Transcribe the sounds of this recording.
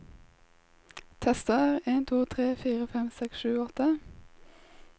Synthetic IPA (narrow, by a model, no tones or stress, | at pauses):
t̪ʰɛst̪əʁeːnt̪ʰuːt̪ʰʁeːfiːʁəfɛmsɛksʃʉːɔt̪ə